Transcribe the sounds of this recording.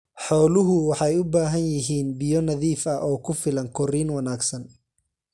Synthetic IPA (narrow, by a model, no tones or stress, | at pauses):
ħɔːlʊɦʊwɑħɑjʊbaːɦɐnjɪɦiːnbɪjɔnɐðiːfɐʔɔːkʰʊfɪlɐŋkʰɔriːnwɐnaːɡsɐn